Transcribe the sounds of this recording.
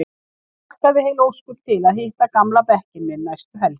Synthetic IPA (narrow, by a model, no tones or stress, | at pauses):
t̪aðɪhejlowskʏt̪ʰɪlaðhɪht̪akamlapɛhcɪnmːɪnajst̪ʏɦɛl